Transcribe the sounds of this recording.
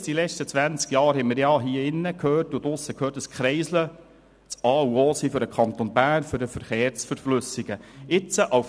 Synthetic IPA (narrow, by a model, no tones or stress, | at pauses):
sd̥ilɛt͡ʃtət͡sʋænt͡skjɑːɾɦɛməɾjɑːɦiəɪnːəkʰøːɾtʊd̪ʊsːəkʰhøːɾtəskχɾɛɪslə | t͡sɑːuoːsiːfʏɾəkʰχɑnt̪onbæːɾnføɾəfəɾχeːɾsfəɾflɵsɪɡ̥əɪt͡səʔaf